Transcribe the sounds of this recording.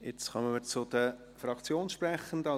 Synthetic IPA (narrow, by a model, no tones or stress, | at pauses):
jet͡sχœmənməɾt͡sʊd̥̪ə | fɾɑkt͡sjoːnʃprɛχən̩dɑ